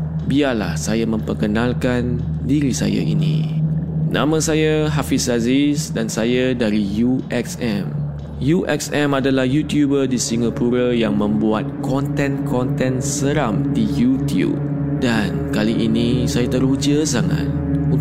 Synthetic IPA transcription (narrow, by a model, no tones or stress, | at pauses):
biarla̰hsajamə̃mpərkənãlkan | diɾisa̰ja̰ʔḭnḭ̃ | nʔã̰mə̃sajaɦafisazisdansajadaɾijuʔɛksɛm | juʔɛ̰ksɛ̃madalahjut̪jubərdisiŋapuɾajaŋmə̃mbuat̪̚kɔnt̪ɛ̃nkʰɔnt̪ɛ̃nsəɾamdijut̪jṵb̚ | dankaliʔinĩsajat̪əɾud͡ʒəsaŋa̰t̪̚u